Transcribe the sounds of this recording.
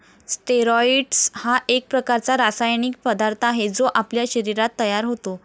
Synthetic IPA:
sʈeɾɔiɖshaʔek̚pɾəkaɾt͡saɾasajɳiːk̚pəd̪aɾt̪ʰaɦed͡zoʔapljaɕəɾiɾat̪ːəjaɾɦot̪o

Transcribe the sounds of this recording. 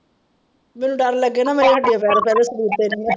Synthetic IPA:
mɛ̃ːnũːɖəɾləɡːeːnãːmeːɾeːɦəɖijaːpɛːɾapɛːd̪eːsəd̪iːɾt̪eːnĩː

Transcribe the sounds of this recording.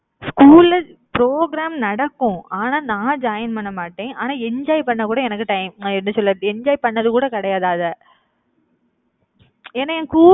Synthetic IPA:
skuːlɐpɾoːɡɾaːmnɐɽɐkːʊ̃aːnaːnãːd͡ʒaːjɐnpɐɳːɐmaːʈːẽːʔaːnaːɛɲd͡ʒaːjɪpɐɳːɐkuːɽɐɛnɐkːɯʈɐɪmɛnːɯsɔlːɐðɛɲd͡ʒaːjpɐɳːɐðɯkuːɽɐkɐɽɐjaːðaːðɐ | ɛnːaɛ̃kuː

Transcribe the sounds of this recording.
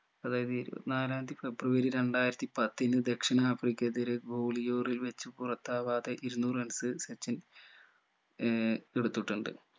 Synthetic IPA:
ɐðaːjɐðɨiɾṵnaːlaːnd̪ife̞brɨʋɐɾiɾe̞ɳɖaːjiɾɐt̪ːipɐt̪ːinːɨd̪e̞kʂɐɳɐːfrikʲːɐd̪iɾeɡoːlijo̞ːrilʋet͡ɕːɨpurɐt̪ːaːʋaːd̪ɐʔiɾunːuːrɨensɨset͡ɕːɐn | eɽut̪ːiʈːuɳɖɨ̰

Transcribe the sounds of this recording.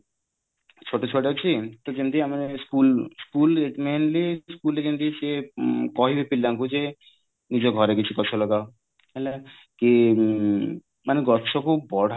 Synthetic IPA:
t͡ʃʰoʈot͡ɕʰoʈɦot͡ɕʰit̪okent̪iamaneskulskuleʈmenliskulekent̪isekɔɦibepilːaŋkud͡ʑe | nid͡ʑoɡʱɔɾekit͡ɕʰukɔt͡ʃʰolɔɡao | ala | ke | maneɡɔʃʰokʰubɔɽ̤ʱa

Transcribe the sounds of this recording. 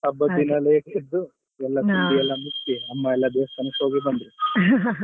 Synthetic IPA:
ɐbːɐd̪inɐleked̪ːu | ɛlːɐt̪uɖiɛlːɐmust̪iɐmːɐɛlːɐd̪eːst̪ɐnɐsoːɡibɐnd̪ɾi

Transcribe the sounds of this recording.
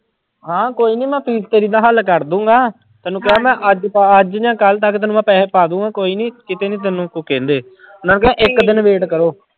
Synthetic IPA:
ɦãːkoːiːniːmɛ̃ːpʰiːzt̪eːɾiːd̪aːɦəlkəɾd̪ũːŋɡaː | t̪ɛːnũːk̬ɪaːmɛ̃ːʔəd͡ʒpaəd͡ʒd͡ʒãːkəlt̪əkːt̪ɛːnũːmɛ̃ːpɛːeːpaːd̪ũːŋɡaːkoːiːniːkɪt̪eːnĩːt̪̬ɛnũːkokẽːnd̪eː | ʊnaːnũːkeãʔɪkd̪ɪnʋeːʈkəɾoː

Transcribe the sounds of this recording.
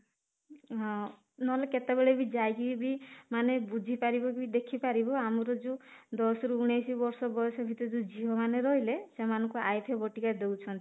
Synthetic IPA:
ɦɔ̃ | nɔɦleket̪ebeɭebid͡ʒajɡibimanebud͡ʒʱipaɾibɔk̬ibid̪ekʰipaɾibɔamɔɾɔd͡ʒud̪ɔsɔɾuuɽ̃ejsibɔɾsɔbɔjɔsɔbʱit̪ɔɾd͡ʒud͡ʒiɦɔmaneɾɔɦilesemanɔŋkuajp̪ʰebɔʈikad̪ewt͡ʃʰɔnt̪i

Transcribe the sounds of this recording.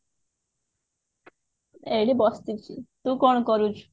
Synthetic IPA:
ejɽibɔst̪it͡ɕʰit̪ukɔnkɔɾud͡ʑ

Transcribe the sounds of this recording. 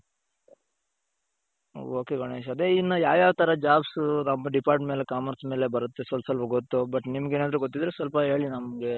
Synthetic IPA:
o̰oːkeɡɐɳeːʃɐd̪e̞inːɐjaːjaːʋt̪ɐɾɐd͡ʒaːbsnɐmːɐɖipaːɾʈʈme̞ːle̞kaːmɐɾsme̞ːlebɐɾut̪ːesʋɐlsʋɐlpɐɡot̪ːubɐʈːnimɐɡeːnaːd̪ɐɾuɡot̪ːid̪ɾesʋɐlpɐɦe̞ːɭinɐmɐɡe̞

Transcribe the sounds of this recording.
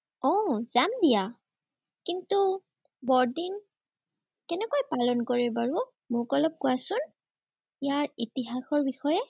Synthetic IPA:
ɔz̥amdija | kintu | bɔɹdin | kɛnɛkojpalɔnkoɹɛbaɹu | mʊkɔlɔp̚kuwasʊn | ijaɹitiɦaxɔɹbixɔjɛ

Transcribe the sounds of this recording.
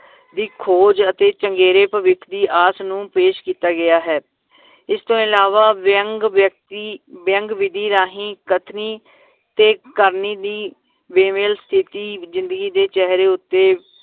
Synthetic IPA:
d̪iːkʰoːd͡ʒət̪eːt͡ʃəŋɡeːɾeːpəʋɪkʰd̪iːʔaːsnũːpeːʃkiːt̪aːɡɪjaːɦɛː | ɪst̪õːɪlaːʋaːəŋɡjək̚t̪ibjəŋɡʋɪd̪ʱiːɾaːɦĩːkət̪ʰniː | t̪eːkəɾniːd̪iː | ʋeːmeːlst̪ʰɪt̪iːzɪ̃nd̪əɡiːd̪eːt͡ʃɛɦɾeːʊt̪ːeː

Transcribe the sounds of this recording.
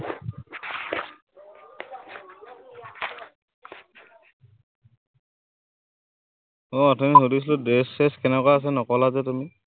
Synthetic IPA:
ɔɔtʰɔniɦodis̬ludesɛskɛnɛkwaas̬ɛnɔkɔlazɛtumi

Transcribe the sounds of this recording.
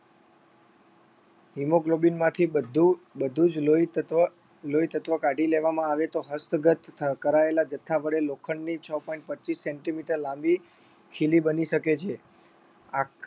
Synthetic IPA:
ɦimoɡlobinmãt̪ʰid̪ubəd̪ʱud͡ʒloi | loit̪ət̪ʋəkaʈileʋamãaʋet̪oɦəst̪ɡət̪kəɾaelad͡ʒət̪ʰːaʋəɽelokʰəɳnit͡ʃʰəpɔĩɳʈ̚pətːt͡ʃisːɛ̃ɳʈimiʈəɾlãmbi | kʰilibəniʃəket͡ʃʰe | a

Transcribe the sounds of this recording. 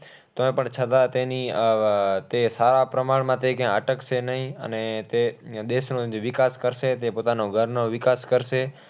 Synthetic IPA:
t̪oẽpəɳt͡ʃʰət̪at̪eni | t̪esaɾapɾəmaɭmãt̪ekãəʈəkt͡ʃʰenəɦĩə̰net̪ed̪eʃnõd͡ʒoʋɪkaskəɾʃet̪epot̪anoɡʱəɾnoʋɪkaskəɾʃe

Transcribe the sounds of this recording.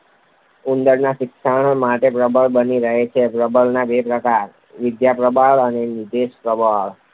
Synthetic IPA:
und̪əɾnaʃɪkʃaɽ̃maʈepɾəbəɭbəniɾəɦet͡ʃʰepɾəbəlnabepɾəkaɾ | ʋɪd̪japɾəbʱaɭənenid̪eʃpɾəbʱaɭ

